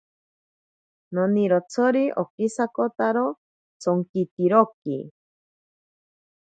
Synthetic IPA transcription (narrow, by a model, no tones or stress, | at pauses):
noniɾot͡sʰoɾiʔo̰kisakot̪aɾo | t͡sʰoŋkit̪iɾokḭ